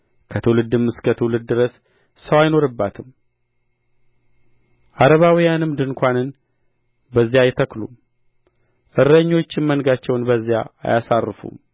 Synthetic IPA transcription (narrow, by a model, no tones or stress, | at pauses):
kʰət̪ʰəwlɨd̪ɨmːɨskʰət̪ʰəwlɨd̪ːɨɾəs | səwajno̞ɾɨbːat̪ʰɨm | ʔaɾəβawijanɨmd̪ɨnkʷanɨn | bəzːijajɛt̪ʰəklṵm | ʔɨɾːəɲːo̞t͡ʃːɪnmənɡat͡ʃːɛwnbəzːija̰ːjasarːɨfṵm